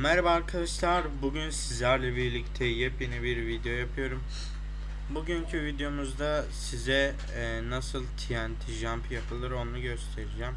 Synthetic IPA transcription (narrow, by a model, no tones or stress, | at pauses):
mæɾbaːɾkʰad̪aʃlˠaɾbuɟynsizlʲæɾlʲɛbiɾlʲict̪ʰɛjɛpjenibiɾvid̪ejo̞japʰɯjo̞ɾum | buɟyɲcʰyvid̪ejo̞muzd̪asizɛ | nasɯlˠt̪ʰijænt̪ʰiʒampʰjapʰɯlˠɯɾo̞nuɟø̞st̪ʰe̞ɾid͡ʒæm